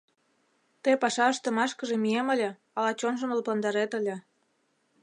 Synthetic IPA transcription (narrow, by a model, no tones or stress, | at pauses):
t̪epɑʃɑəʃt̪ə̆mɑʃkəʒemyeməlʲe | ɑlɑt͡ɕonʒə̆məlpɑnd̪ɑɾet̪əlʲĕ